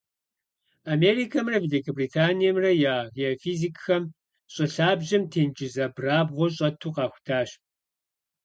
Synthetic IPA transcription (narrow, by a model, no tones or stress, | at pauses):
ameːɾiːkʰɐmrɐvelikʰɐbritʰaːnijɐmrɐjaːjɛfiːzikxɐm | ɕʼɪɬaːbʑɪmtʰeːnd͡ʒɪzɐbraːbʁʷɔɕ̬ʼɐtʰuːqɑːxʷʊ̥tʰaːɕ